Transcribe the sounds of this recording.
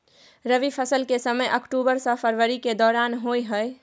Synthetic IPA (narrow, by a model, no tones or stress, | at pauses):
ɾəʋipʰəsəlkesəməjʔəkʈubəɾsə̃pʰəɾʋəɾiked̪ɔɾanɦojɦəj